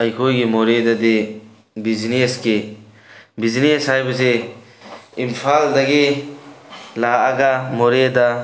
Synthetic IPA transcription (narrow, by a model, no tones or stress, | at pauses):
ɐjkʰojɡimoɾedɐdi | bizineski | bizineshajbɐze | impʰaldɐɡi | laːɡamoɾeda